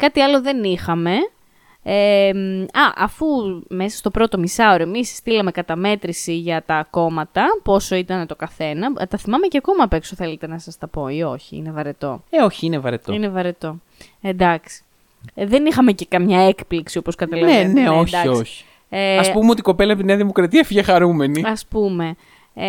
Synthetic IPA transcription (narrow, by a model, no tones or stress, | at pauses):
kɐt̪iɐlo̞ðe̞nixɐme̞ | emɐʔɐfume̞sɐ̥st̪o̞pɾo̞t̪o̞misɐoɾoe̞misst̪ilɐme̞kɐt̪ɐme̞t̪ɾisiʝɐt̪ɐko̞mɐt̪ɐpo̞so̞it̪ɐnt̪o̞kɐθe̞nɐt̪ɐθimɐme̞ceɐko̞mɐːpe̞ksoθe̞let̪e̞nɐsɐst̪ɐpo̞io̞çiḭnevɐɾet̪o̞̰eo̞çiinevɐɾet̪oinevɐɾet̪o̞ | end̪ɐksi̥ | ðe̞nixɐme̞ce̞kɐmɲɐe̞kpliksio̞po̞skɐt̪ɐleneoçd̪ɐoçi̥ | eɐspumeot̪iko̞pe̞lɐept̪ineɐðimokɾɐt̪iɐfiʝexɐɾume̞niɐspume̞